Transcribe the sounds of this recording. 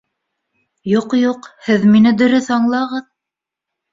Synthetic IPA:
juqjuqhɘðminɘd̪ɵ̆ɾɵθɑɴlˠɑʁɤð

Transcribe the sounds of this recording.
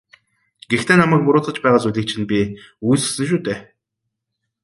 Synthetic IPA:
ɡ̥ext̪ʰeːnamæːk̚pʊɾʊːt͡sə̆t͡ɕpæːʁaːt͡suɮʲĭk̚t͡ɕʰɪ̆npʲi | ujsɵ̥sɘ̆nʃ̬uːt̪eː

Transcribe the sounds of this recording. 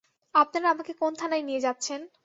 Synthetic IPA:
apnaɾaamakekont̪ʰanajnijed͡ʑat̪ːɕʰen

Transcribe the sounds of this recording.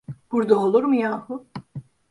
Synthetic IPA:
b̥uɾd̪aolˠuɾmɯjaːhu

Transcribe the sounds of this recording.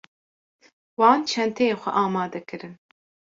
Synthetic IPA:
wɑːnt͡ʃʰɛnt̪ʰɛjeːxʷɛ̰ʔɑːmɑːd̪ɛkɨɾɨn

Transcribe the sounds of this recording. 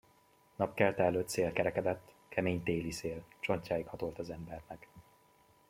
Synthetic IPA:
nɒpkɛlt̪ɛɛlːøːt̪seːlkɛɾɛkɛd̪ɛt̪ː | kʰɛmeːɲt̪eːliseːlt͡ʃo̞ɲcaːjikhɒt̪o̞lt̪ɒzɛmbɛrnɛk

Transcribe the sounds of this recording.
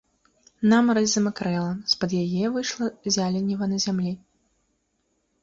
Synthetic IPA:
namɾɐzʲɨmɨkɾɛlˠɐspɐd̪jajɛvɨjʂlˠɐzʲalʲɛnʲːivɐnɐzʲamlʲi

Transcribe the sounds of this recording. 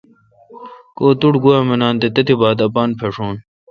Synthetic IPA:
koːt̪uʈɡuaːmenaːnt̪et̪ɐt̪ʰibaːd̪ɐpaːnpʰeʂoːn

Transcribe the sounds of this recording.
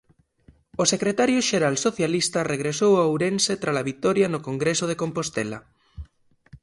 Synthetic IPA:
osekɾet̪aɾjoʃeɾalsoθjalist̪areɣɾesowawɾenset̪ɾalaβit̪ɔɾjanokoŋɡɾesoð̞ekompost̪ela̰

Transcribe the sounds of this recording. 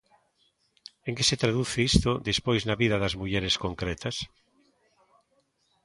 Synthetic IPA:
eŋkeset̪ɾaðuθeist̪od̪ispojznɐβiðɐðɐzmuʎɛɾeskoŋkɾɛt̪ɐs

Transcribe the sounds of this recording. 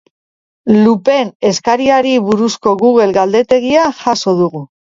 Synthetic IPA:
lupe̞ne̞skaɾiaɾiβuɾusko̞ɣuɣ̞e̞lɡald̪e̞t̪e̞ɣiaxaso̞ð̞uɣu

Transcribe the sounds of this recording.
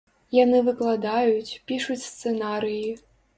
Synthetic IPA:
janɨvɨklˠad̪ajut͡sʲpʲiʂut͡sʲst̪sɛnaɾɨji

